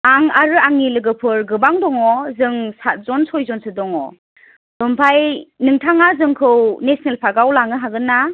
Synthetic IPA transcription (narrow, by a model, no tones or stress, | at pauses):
aŋaɾɯaŋnilɯɡɯpʰɯɾɡɯbaŋdɔŋɔzɯŋsat̚zɔnsɔjzɔnsɯdɔŋɔ | d̥ɔmpʰajnɯŋtʰaŋazɯŋkʰɯwnesnelpʰaɡawlaŋɯɦaɡɯnːa